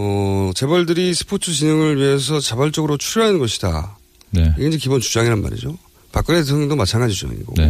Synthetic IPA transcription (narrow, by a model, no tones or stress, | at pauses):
ʌt͡ɕe̞bʌɭdɯɾisʰɯ̥pʰotʰɯt͡ɕinɯŋɯɭɥiɦes̬ʰʌt͡ɕabaɭt͡ɕ͈ʌɡɯɾot͡ɕʰuɾoɦanɯnɡʌɕʰida̰ | neiɡeind͡ʑekibont͡ɕud͡ʑaŋiɾanma̰ɾḭd͡ʑo̰ | pak͈ɯɾeesʰʌŋʌŋdomat͡ɕʰanɡad͡ʑit͡ɕud͡ʑa̰ŋḭɡo̰